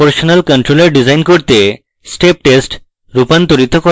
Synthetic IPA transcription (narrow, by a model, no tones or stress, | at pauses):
əɾɕənəlkəɳʈɾoləɾɖid͡zajnkɔɾt̪e | sʈep̚ʈesʈ | ɾupãnt̪oɾit̪ʰɔkɔ